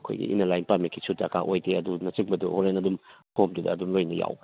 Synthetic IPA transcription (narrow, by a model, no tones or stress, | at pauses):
kʰo̰jɡḭʔḭnɐlajnpamikʰisʰutːɐkʰaʔojteɐdunɐt͡ʃiŋ̚bɐduholenɐdumpomdudɐːdumlojnɐja̰w